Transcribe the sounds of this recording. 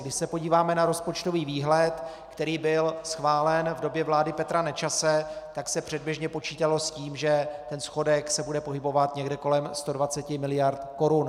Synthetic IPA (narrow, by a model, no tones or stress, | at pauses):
ɡdɪʃsɛpo̞ɟiːvaːmɛnaɾo̞spo̞t͡ʃt̪o̞viːviːɦlɛt̪ | kt̪ɛɾiːbɪlsxvaːlɛnvdo̞bjɛvlaːdɪpɛt̪ɾanɛt͡ʃasɛt̪aksɛpr̝̥ɛd̪̚bjɛʒɲɛpo̞t͡ʃiːt̪alo̞sciːmʒɛt̪ɛnsxo̞dɛksɛbudɛpo̞ɦɪbo̞vat̪ɲɛɡdɛko̞lɛmst̪odvat͡sɛcɪmɪlɪjaɾt̪ko̞ɾun